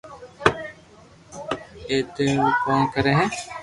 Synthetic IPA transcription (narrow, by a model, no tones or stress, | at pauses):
eːt̪eũkãːkəɾẽːɦɛ̃ː